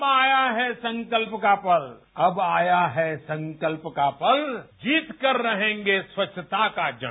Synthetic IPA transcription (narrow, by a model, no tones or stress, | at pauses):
baːjaɦɛsə̃ŋkəlpkapɐl | ɐbaːjaɦɛsɐ̃ŋkəlpkapɐld͡ʒiːt̪kəɾːɐɦẽːŋɡeswɐtʃʰət̪akad͡ʒə